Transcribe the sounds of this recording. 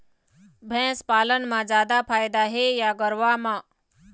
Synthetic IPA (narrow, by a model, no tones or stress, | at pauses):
bʱɛ̃ːspaːlənmãd͡zjaːd̪apʰaːjd̪aɦejaɡəɾʋamã